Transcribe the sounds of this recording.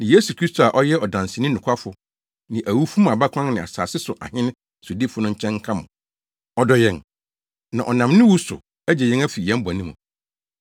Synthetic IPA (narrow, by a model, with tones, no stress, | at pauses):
nã˨je˦su˨kʰɾi˦stʰo˨a˨ʔɔ˦jɛ˦ɔ˨dã˨n˨sɪ˨nɪ̃˦nʊ̃˨kʷʰa˦fʊ˨ | nɪ̃˨ʔæ˨wu˦fu˦m˦a˨ba˦kʷʰã˦nɪ̃˨a̰˨sa̰ː˨sɪ˦sʊ˨ʔa̰˨hɪ̃˦ñ˦˨sʊ˨di˦fʊ˦nʊ̃˦ɲ̩˦t͡ɕʰɛ̃˦ŋ̩˦kʰã˦mʊ̰̃˨ | ɔ˦dɔ˦jɛ̃˨n | nã˨ʔɔ˨nã˨mnʊ̃˦wu˦sʊ̰˨ | ɛ˦d͡ʑɛ˨jɛ̃˦ŋæ˦fi˨jɛ̃˦m̩˦ba˨nĩ˦mṵ̃˨